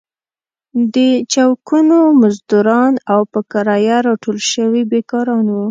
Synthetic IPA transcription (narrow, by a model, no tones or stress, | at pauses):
d̪ət͡ʃawkunomazd̪uɾɑnawpəkaɾɑjaɾɑʈolʃəwibekɑɾɑnwu